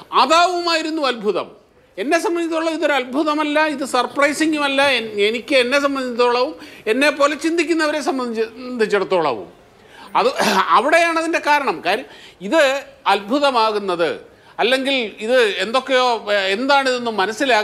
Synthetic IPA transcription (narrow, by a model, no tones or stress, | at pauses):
ɐðaːʋɐumaːjiɾunːuɐlbʱuðɐ̰m | e̞nːe̞s̬ɐmbɐnd̪ʱit̪ːoɭɐʋiðo̞ɾuɐlbʱuðɐmɐlːɐiðɨsɐrprɐjsiŋɡumɐlːɐenenikʲːɨenːe̞sɐmbɐnd̪ʱit̪ːo̞ːɭɐʋume̞nːe̞pːo̞ːlet͡ɕind̪ʱikʲːunːɐʋɐɾe̞s̬ɐmbɐnd̪d̪ʱit͡ɕːɐɽut̪ːo̞ːɭɐ̰ʋṵm | ɐðɨɐʋiɽe̞jaːɳɐðinde̞kaːɾɐɳɐmkaːɾjiðɨɐlbʱuðɐmaːɣunːɐðɨ̰ | ɐlːe̞ŋɡiliðɨe̞nd̪o̞kːejo̞ːend̪aːɳiðenːumːɐnɐsːilaː